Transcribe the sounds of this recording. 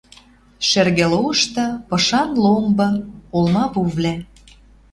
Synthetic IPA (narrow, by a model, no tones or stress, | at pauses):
ʃerɣeloɤʃt̪ɤ̆pɤ̆ʃɑnlombɤ̆olmɑpuvlʲæ